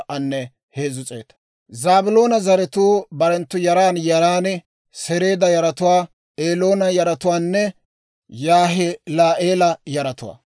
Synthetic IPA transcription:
ʔɐnːɛ | heːzʊt͡sʼḛːt̪ɐ̥ | zaːbʊlo̞ːnɐzɐɾɛt̪uːbɐɾɛnt̪ːʊjɐɾaːnjɐɾaːn | sɛɾe̞ːd̪ɐjɐɾɐt̪ʊwaː | eːlo̞ːnɐjɐɾɐt̪ʊwaːnːɛ | jaːɦɛlaːʔeːlɐjɐɾɐt̪ʊwa̰ː

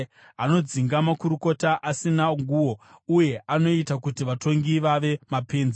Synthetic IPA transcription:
ano̞d͡ziŋɡamakuɾuko̞taʔasinaŋɡuwo̞uje̞ʔano̞itakutiʋato̞ŋɡiʋaʋe̞mape̞ːnze

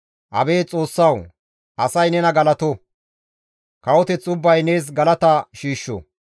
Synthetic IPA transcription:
ʔɐ̰be̞ːt͡sʼo̞ːsːɐw | ʔɐsɐjnɛnɐɡɐlɐt̪ɔ | kɐwɔt̪ɛt͡sʊbːɐjne̞ːs̬ɡɐlɐt̪ɐʃiːʃːɔ̰

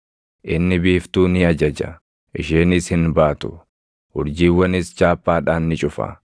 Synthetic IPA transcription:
ʔɪnːɪbiːft̪uːnɪɐd͡ʒɐd͡ʒɐ̰ | ʔɪʃeːnɪshɪnbaːt̪ʊ | hʊɾd͡ʒiːwːɐnɪst͡ʃaːpːaːᶑaːnːɪt͡ʃʼʊfɐ̰

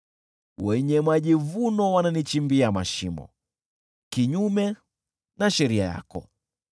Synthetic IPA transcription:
wɛɲɛmaʄivunɔwananit͡ʃimbiamaʃimɔ̰ | kiɲumɛ | naʃɛɾiaja̰kɔ̰

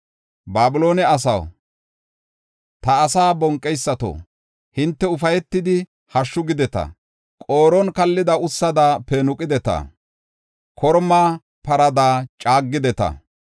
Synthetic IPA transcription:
baːbʊlo̞ːnɛɐs̬ɐ̰w | t̪ɐːsaːbɔŋkʼːɛjsːɐt̪o̰ː | hɪnt̪ːɛʊfɐjɛt̪ːɪd̪ɪ | hɐʃːʊɡɪd̪ɛt̪ɐ̰ | kʼoːɾɔnkɐlːɪd̪ɐʊsːɐd̪aːpɛnʊkʼːɪd̪ɛt̪ɐ̰ | kʰɔɾmaː | pɐɾɐd̪aːt͡ʃʼaːɡːɪd̪ɛt̪ɐ̰

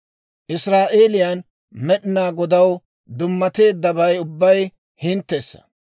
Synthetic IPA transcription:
ʔɪsɾaːʔeːlɪjan | mɛɗɪnaːɡɔd̪ɐw | d̪ʊmːɐt̪e̞ːd̪ːɐbɐjʊbːɐj | hɪnt̪ːesːɐ̥̰

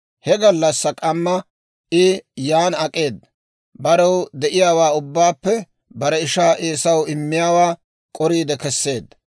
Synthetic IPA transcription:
hɛɡɐlːɐsːɐkʼɐmːɐ | ɪjaːnɐkʼe̞ːd̪ːɐ | bɐɾɐwd̪ɛʔɪjaːwaːʊbːaːpːɛ | bɐɾɛɪʃaːʔeːsɐwɪmːɪjaːwaː | kʼɔɾiːd̪ɛkɛsːe̞ːd̪ːɐ

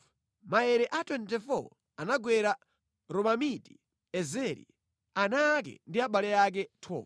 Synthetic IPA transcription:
maɛɾɛʔatwɛntɛfɔ̰ | anaɡwɛɾa | ɾɔmamiti | ɛzɛɾḭ | anak̬ɛ̰ndiaɓalɛak̬ɛtʰɔ̰ː

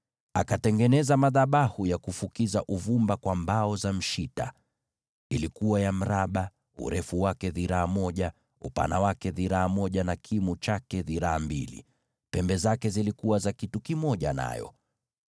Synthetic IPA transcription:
a̰katɛŋɡɛnɛzamaðaɓahujakufukizaʔuvumbakwambaɔzam̩ʃita̰ | ilikuwajam̩ɾaɓa | ṵɾɛfuwakɛðiɾaːmɔʄa | upa̰nawakɛðiɾaːmɔʄanakʰimut͡ʃakɛðiɾaːmbḭlḭ | pɛmbɛzakɛzilikuwazakitukimɔʄa̰na̰jɔ̰

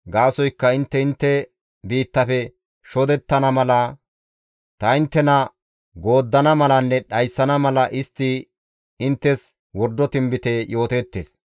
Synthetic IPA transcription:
ɡaːsɔjkːɐɪnt̪ːɛɪnt̪ːɛ | biːt̪ːɐfɛ | ʃɔd̪ɛt̪ːɐnɐmɐlɐ | t̪ɐɪnt̪ːɛnɐ | ɡo̞ːd̪ːɐnɐmɐlɐnːɛɗɐjsːɐnɐmɐlɐʔɪst̪ːɪ | ɪnt̪ːɛs | wɔɾd̪ːɔt̪ɪmbɪt̪ɛjo̞ːt̪ɛːt̪ːḛːs

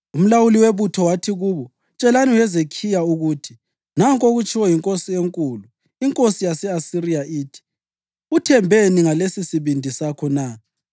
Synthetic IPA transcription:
um̩lawuliweβutʰɔwatʰiɣuːβɔ | t͡ʃʼɛlaniwjɛzekʰijauɣutʰi | naŋkʼoɣut͡ʃʰʼiwɔjiŋkʼosieŋkʼulu | iŋkʼosijasɛasirijaʔiːtʰi̥ | utʰɛmbʱeniŋalesisiβindʱisakʰɔna

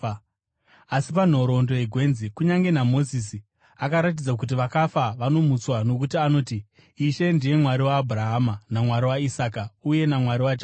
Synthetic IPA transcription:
asipan̤o̞ɾo̞ndo̞jeɡʱwe̞nzikuɲaŋɡe̞namo̞zis̬i | akaɾat̬id͡zak̬ut̬iʋakafaʋano̞mut͡swano̞k̬utiano̞ːti | iʃe̞ndije̞mwaɾiwaːbʱuraɦamanamwaɾiwaisaːkauje̞namwaɾiwat͡ʃa

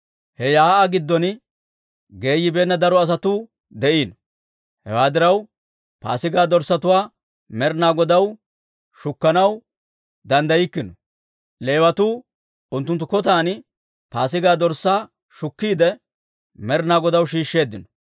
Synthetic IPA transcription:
hɛjaːʔaɡɪd̪ːɔn | ɡe̞ːjːɪbe̞ːnːɐd̪ɐɾɔɐs̬ɐt̪uː | d̪ɛʔiːnɔ | hɛ̰waːd̪ɪɾɐw | pa̰ːsɪɡaːd̪ɔɾsɐt̪ʊwaː | mɛɾnaːɡɔd̪ɐw | ʃʊkːɐnɐw | d̪ɐnd̪ɐjɪkːɪnɔ | le̞ːwɐt̪uː | ʊnt̪ːʊnt̪ːʊkɔt̪̬aːn | paːsɪɡaːd̪ɔɾsːaː | ʃʊkːiːd̪ɛ | mɛɾnaːɡɔd̪ɐwʃiːʃːe̞ːd̪ːɪnɔ̥

